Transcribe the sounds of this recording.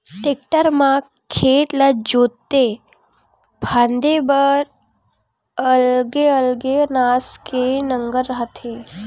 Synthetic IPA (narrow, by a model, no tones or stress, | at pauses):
ʈek̚ʈəɾmã | kʰet̪lad͡ʒot̪ːe | bʱãnd̪ebəɾ | əlɡeəlɡenaskenəŋɡəɾɦət̪ʰe